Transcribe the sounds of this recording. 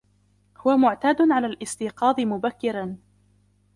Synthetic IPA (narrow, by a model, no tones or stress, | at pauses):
hʊwamʊʕt̪aːd̪ʊnʕalaːlʔɪst̪iːqɑːd̪ˤɪmʊbakːɪɾan